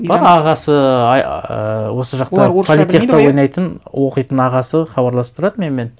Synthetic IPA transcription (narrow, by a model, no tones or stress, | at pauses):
b̥ɑɾɑʁɑsəɑjwo̞səʒɑq̚t̪ɑpʰolit̪ʲekt̪ːɑwo̞jnɑjt̪ənwo̞qəjt̪ənɑʁɑsəχɑbɑɾlˠɑsəp̚t̪ʰʊɾɑd̪əmenme̞n